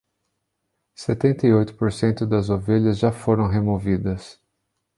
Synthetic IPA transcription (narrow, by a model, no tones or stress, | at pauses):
set̪ẽnt̪ɐiojt̪ʊ̥poɾsẽnt̪ʊd̪ɐzoveʎɐzʒafoɾɐ̃w̃ɦemovid̪ɐs